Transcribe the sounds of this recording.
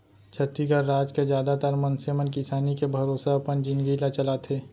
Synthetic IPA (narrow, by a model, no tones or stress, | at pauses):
t͡ʃʰɐt̪ːiɡaɾaːd͡ʒkezjaːd̪at̪aɾmənsemənkɪsaːnikebʱɐɾoːsaɐpənd͡ʒɪ̃nɡilat͡ʃɐlat̪ʰeː